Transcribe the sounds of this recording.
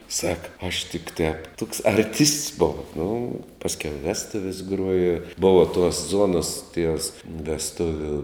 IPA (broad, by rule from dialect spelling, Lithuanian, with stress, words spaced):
sɐk ɐʃ tʲɪk tʲɛːp tʊks ɐrʲˈtʲɪsts ˈboːw nʊ ˈpɑːsʲkʲɛʊ ɪ ˈʋʲæːstʊʋʲɪs ˈɡruɔjɛ ˈboːʋɐ tuɔs ˈzuɔnɐs tʲiɛs ʋʲɛsˈtʊʋʲʊ